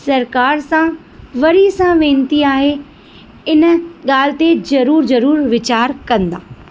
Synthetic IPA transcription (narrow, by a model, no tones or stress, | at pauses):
sɐɾkaːɾsã | ʋɐɾisãʋẽːn̆t̪iaːɦe | ɪnəɠaːl̤ɪ̆t̪ezɐɾuːɾzɐɾuːɾʋɪt͡ɕaːɾkɐ̃nd̪aː